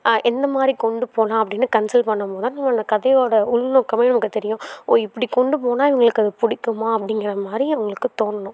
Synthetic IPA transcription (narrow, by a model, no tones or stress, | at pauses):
ʔɛnd̪ɐmaːd̪ɾikɔɳɖɯpoːlãːɐpːɐɽɪnːɯkɐnsɐlpɐɳːɐmpoːðãːnɐmːɐːnd̪ɐkɐðɐjoːɽɐʊɭʋnõːkːɐmɐjnɐmɐkːɯt̪ːɛɾɪjʊ̃oːɪpːɐɽikɔɳɖɯp̬oːnãːɪʋɐŋɡɐɭɯkːɯɐðɯpʊɽɪkːɯmaːɐpːɐɽɪŋɡɐɾɐmaːd̪ɾiɐʊŋɡɐɭɯkːɯt̪oːnːɐnʊ̃